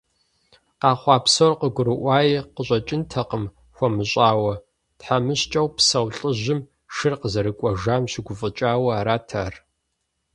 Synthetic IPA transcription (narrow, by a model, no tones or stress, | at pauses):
qɑːχʷɑːpsorqəɡʷʊɾɨʔʷɑːjiqəɕʼɐt͡ʃʼɪntʰɐqəm | xʷɔmɨɕʼaːwɐ | tħamɨɕt͡ʃʼɐwpsɐwɬʼəʑɪm | ʃɨrqəzɐɾɨkʷʼɔʒaːmɕɪɡʷʊfʼɨt͡ʃʼaːwɐaːɾaːtʰa̰ːr